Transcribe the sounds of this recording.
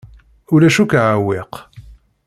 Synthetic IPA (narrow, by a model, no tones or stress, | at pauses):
ulæʃukʕaweq